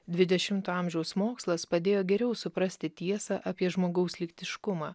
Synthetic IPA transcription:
d̪ʲʋʲɪd̪ʲɛʃʲɪmt̪oɐˑmʲʒʲɛʊsmoːkslˠɐspɐd̪ʲeːjoːɡʲɛɾʲɛʊsʊpɾɐsʲt̪ʲɪt̪ʲiɛsɐʔɐpʲiɛʒmoːɡɒʊslʲɪkt̪ʲɪʃkʊmɑː

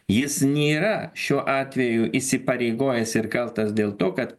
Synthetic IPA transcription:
jɪsnʲiːɾɐʃʲuːʔɑːt̪ʲʋʲɛjuʔisʲɪpɐɾʲɛɪɡoːjɛsɪɾkɐlˠt̪ɐsd̪ʲeːlˠt̪oːkɐt̪

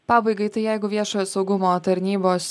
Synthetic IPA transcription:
pɑːbɐɪɡɐɪt̪ɐɪjɛɪɡʊʋʲiɛʃoːjoːsɒʊɡʊmoːt̪ɐɾʲnʲiːboːs

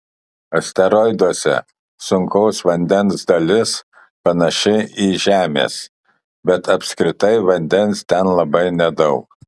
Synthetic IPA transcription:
ɐsʲt̪ʲɛɾɔɪd̪uɔsʲɛ̰ | sʊŋkɐʊsʋɐnʲd̪ʲɛnsd̪ɐlʲɪs | pɐnɐʃʲɛiːʒʲæːmʲḛːs | bʲɛt̪ɐpʲsʲkɾʲɪt̪ɐɪʋɐnʲd̪ʲɛnst̪ʲɛnlˠɐbɐɪnʲɛd̪ɐʊk

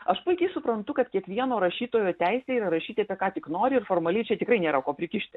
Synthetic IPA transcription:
ɐʃpʊɪkʲɛɪsʊpɾɐnt̪ʊkɐt̪kʲiɛkʋʲiɛnoːɾɐʃʲiːt̪oːjoːt̪ʲæɪsʲeiɾɐɾɐʃʲiːt̪ʲɪɐpʲɛkɑːt̪ʲɪknoːɾʲɪɪɾrfoːrmɐlʲɛɪt͡ʃʲɛt̪ʲɪkɾɐɪnʲeːɾɐkoːpʲɾʲɪkʲɪʃʲt̪ʲɪ

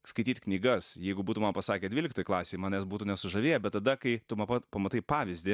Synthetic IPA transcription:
skɐɪt̪ʲiːt̪ʲknʲiːɡɐsjɛɪɡʊbuːt̪uːmɐmpɐsɑːkʲeɛdʲʋʲiːlʲɪkt̪oːjɪklˠɑːsʲeːmɑːnʲɛːsbuːt̪uːnʲɛsʊʒɐʋʲeːjɛbʲɛt̪t̪ɐd̪ɐkɐɪt̪ʊmɐpɐtpɐmɐt̪ɐɪpɑːʋʲɪzʲd̪ʲɪ

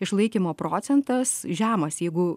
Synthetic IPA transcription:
ɪʃlˠɐɪkʲiːmoːpɾoːsʲɛnt̪ɐsʒʲæːmɐsjɛɪɡʊ

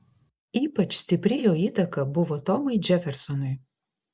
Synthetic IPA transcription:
ipɐt͡ʃsʲt̪ʲiprʲijoit̪ɐkɐbuvɔt̪ɔmɨjd͡ʒɛfʲɛrsɔnɔj

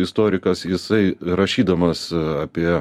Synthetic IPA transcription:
ɪst̪oːɾʲɪkɐsjɪsɐɪɾɐʃʲiːd̪ɐmɐsɐpʲiɛ

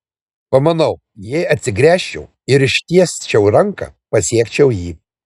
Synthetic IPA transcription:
pɐmɐnɐʊ | jɛɪɐt̪ʲsʲɪɡɾʲæːʃʲt͡ʃʲɛʊ | ɪɾɪʃʲt̪ʲiɛsʲt͡ʃʲɛʊɾɐŋkɐ̰pɐsʲiɛkt͡ʃʲɛʊjiː

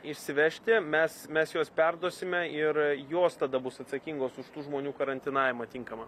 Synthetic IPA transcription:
ɪʃʲsʲɪʋʲɛʃʲt̪ʲɪmʲɛsmʲɛsjoːspʲɛrd̪oɔsʲɪmʲɛɪrjoːst̪ɐd̪ɐbʊsɐt̪sɐkʲiːŋɡoːsʊʃt̪uːʒmoːnʲuːkɐɾɐnʲt̪ʲɪnɑːʋʲɪmɐt̪ʲɪŋkɐmɐ

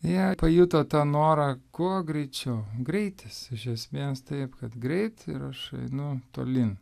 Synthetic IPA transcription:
jɛpɐjʊt̪ot̪ɑːnoːɾɐkuɔɡɾʲɛɪt͡ʃʲɛʊɡɾʲɛɪt̪ʲɪsɪʃʲɛsʲmʲiːst̪ɐɪpkɐt̪ɡɾʲɛɪt̪ɪɾɐʃɐ̰ɪnʊt̪o̰ːlʲɪn

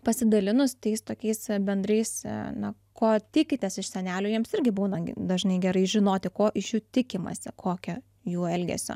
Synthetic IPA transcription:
pɐsʲɪd̪ɐlʲɪnʊst̪ʲɛɪst̪oːkʲɛɪsbʲɛnd̪ɾɐɪsnɐ | koːt̪ʲɪkʲɪt̪ʲesɪʃsʲɛnʲæːlʲoːjiɛmsɪɾʲɡʲɪbuːnɐd̪ɐʒnɐɪɡʲɛɾɐɪʒʲɪnoːt̪ʲɪkoːʔɪʃjuːt̪ʲɪkʲɪmɐ̰sʲɪkʰoːkʲɛ | juːɛlʲɡʲɛ̰sʲo̰ː

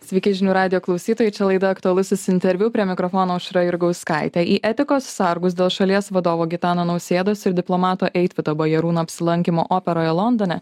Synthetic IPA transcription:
sʲʋʲɛɪkʲɪʒʲɪnʲuːɾɑːd̪ʲɪjoːklˠɐʊsʲiːt̪oːjɛɪt͡ʃʲɛlˠɐɪd̪ɐɐkt̪ʊɐlˠʊsʲʊsɪnʲt̪ʲɛɾʲʋʲuːpʲɾʲiɛmʲɪkɾofoːnoːʊʃɾɐjʊɾɡɐʊskɑˑɪt̪ʲæːʔiːʔɛt̪ʲɪkoːssɐɾɡʊs̬d̪ʲeːlˠʃɐlʲiɛsʋɐd̪oːʋoːɡʲɪt̪ɑːnonɐʊsʲeːd̪oːsɪɾd̪ʲɪplˠomɑːt̪oːʔɛɪt̪ʲʋʲɪt̪oːbɐjɛɾuːnoːɐpʲsʲɪlˠɐŋʲkʲɪmoːʔoːpʲɛɾoːjɛlˠɔnd̪ɔnʲɛ

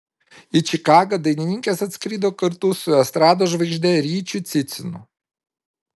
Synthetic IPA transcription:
ɪt͡ʃʲɪkɑːɡɐd̪ɐɪnʲɪnʲɪŋʲkʲesɐt̪ʲsʲkɾʲiːd̪oːkɐɾt̪ʊsʊɛst̪ɾɑːd̪oːʒʋɐɪɡʒʲd̪ʲɛɾʲiːt͡ʃʲʊt̪sʲɪt̪sʲɪnʊ̰

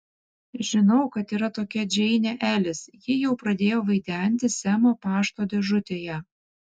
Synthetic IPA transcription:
ʒʲɪnɒʊkɐt̪iːɾɐt̪oːkʲɛd͡ʒʲɛɪnʲeʔæːlʲɪsjɪjɛʊpɾɐd̪ʲeːjoːʋɐɪd̪ʲæˑnʲt̪ʲɪsʲɛmoːpɑːʃt̪oːd̪ʲɛʒʊt̪ʲeːjɛ

